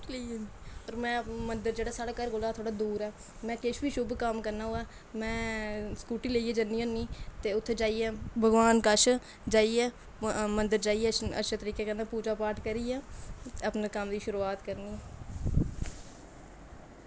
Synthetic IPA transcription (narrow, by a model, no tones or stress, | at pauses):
iiɔːɾmɛ̃ːmənd̪əɾd͡ʒeːɽaːsaːɽaːkəɾkoːlaːt̪ʰoːɽaːd̪uːɾɛː | mɛ̃ːkɪʃʋiːʃʊbkəmkəɾnaːoːaː | mɛ̃ːskuːʈiːleiːɛːd͡ʒənːiːõːniːt̪eːʊt̪ʰːeːd͡ʒaːiːɛːbʱəɡʋaːnkəʃʰ | d͡ʒaːiːɛː | mənd̪əɾd͡ʒaːiːɛːə̰tːʃʰet̪əɾiːkeːkənaːpuːd͡ʒaːpaːʈkəɾiːaːəpneːkəmd̪iːʃʊɾuːaːt̪kəɾniː